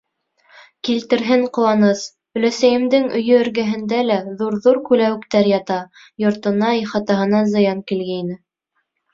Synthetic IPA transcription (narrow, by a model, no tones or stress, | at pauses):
kilt̪ɘ̆ɾɦɘŋqŏwɑnɤs | ɵ̆læsæjɘ̆md̪ɘŋɵ̆jɵ̆ːɾɡæɦɘ̆nd̪ælæðuɾðuɾkʉlæwɘ̆kt̪æɾjɑt̪ɑ | jŏɾt̪ɤ̆nɑiχɑt̪ɑɦɤ̆nɑzɤ̆jɑŋkilɡæinɘ